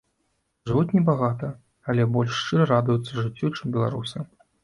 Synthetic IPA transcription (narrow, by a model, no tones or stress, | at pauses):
ʐɨvut͡sʲnʲɛbaɣat̪ɐ | alʲɛbɔlʲʂt͡ʂɨɾɐɾad̪ujut̪sːɐʐɨt͡sʲːut͡ʂɨmbʲɛlˠa̰ɾusɨ